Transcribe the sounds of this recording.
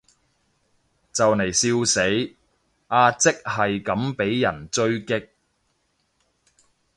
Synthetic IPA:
t͡sɐ˨wne˨˩jsiː˧wse˨˥j | aː˧t͡sɪ˥k̚hɐ˨jkɐ˨˥mpe˨˥jːɐ˨˩nt͡sɵ˥ɥkɪ˥k̚

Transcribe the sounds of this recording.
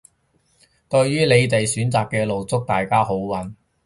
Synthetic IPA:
t̪ɵ˧ɥjyː˥le˨˧jt̪e˨jsyː˨˥nt͡saː˨kːɛː˧lo˨wt͡sʊ˥k̚t̪aː˨jkaː˥ɦo˨˥wwɐ˨˥n

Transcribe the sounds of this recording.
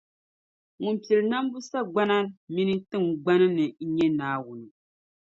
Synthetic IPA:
ŋu˨m˨pi˨ɛ˨lɨ˨na˦m˦bu˦sa˦ɡ͡ba˦na˦mi˦nɨ˦tɨ˦˨ŋɡ͡ba˦nɨ˦nɨ˨˦ɲɛ˦naː˨˦wʊ˨nɨ˨

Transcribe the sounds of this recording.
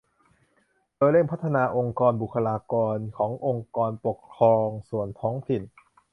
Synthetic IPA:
d̥oː˧jle˥˩mpʰt̪ʰːa˧naː˧ʔo˧ŋkɔː˧nbu˨˩kʰːa˧laː˧kɔː˧nkʰɔː˩˦ŋʔo˧ŋkɔː˧npo˨˩kʰɾɔː˧ŋsu˨˩ənt̪ʰɔː˦˥ŋt̪ʰi˨˩n

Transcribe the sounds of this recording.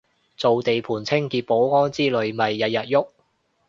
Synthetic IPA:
t͡so˨wt̪e˨jpʰuː˨˩nt͡sʰɪ˥ŋkiː˧t̚po˨˥wŋɔː˥nt͡siː˥lɵ˨˧ɥmɐ˨jːɐ˨t̚jɐ˨t̚jʊ˥k̚

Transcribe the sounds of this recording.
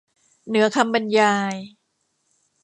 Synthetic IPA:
nɯ˩˦ɐkʰa˧mba˧njaː˧j

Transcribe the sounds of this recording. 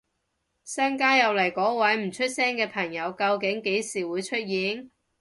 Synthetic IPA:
sɐ˥ŋkaː˥jɐ˨˧wlɐ˨˩jkɔː˨˥wɐ˨˥jm̩˨˩t͡ʃʰɵ˥t̚sɛː˥ŋkɛː˧pʰɐ˨˩ŋjɐ˨˧wkɐ˧wkɪ˨˥ŋke˨˥jsiː˨˩wuː˨˧jt͡ʃʰɵ˥t̚jiː˨˥n

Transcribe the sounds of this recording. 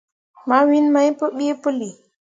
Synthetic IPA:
ma˦wi˦nma˦jpɔ˦ɓi˦e˦po˦li˨

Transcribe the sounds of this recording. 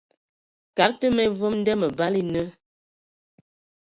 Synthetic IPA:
ka˨˦ɾtə˦mɛ˦vo˦mn̩˦dɛ˦mə˨ba˦li˦nə˦

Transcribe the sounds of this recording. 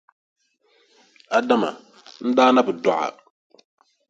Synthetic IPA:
a˨da˦ma̰˨ | n̩˦daː˦na˦bɨ˨dɔ˨ʔa̰˨

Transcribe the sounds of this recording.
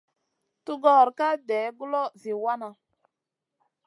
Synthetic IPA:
tu˦ɡɔ˦˨ɾka˦dɛː˨˦bu˦lɔ˦zi˨wa˦na˨

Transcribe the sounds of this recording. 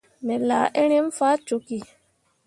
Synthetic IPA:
mɛ˨la˨ʔɛ˦ñɛ˦m˦faː˦t͡ʃo˨ki˨

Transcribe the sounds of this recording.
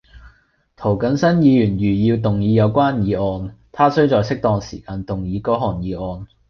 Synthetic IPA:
t̪ʰo˨˩wkɐ˨˥nsɐ˥njiː˨˧jyː˨˩njyː˨˩jiː˧wt̪ʊ˨ŋjiː˨˧jɐ˨˧wkʷaː˥njiː˨˧ʔɔː˧nt̪ʰaː˥sɵ˥ɥt͡ʃɔː˨jsɪ˥k̚t̪ɔː˧ŋsḭː˨˩kaː˧nt̪ʊ˨ŋjiː˨˧kɔː˨˥ɦɔː˨˩njiː˨˧ʔɔː˧n

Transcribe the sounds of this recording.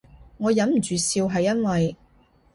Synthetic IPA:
ŋɔː˨˧jɐ˨˥mm̩˨˩t͡ʃyː˨siː˧wɦɐ˨jːɐ˥nwɐ˨j

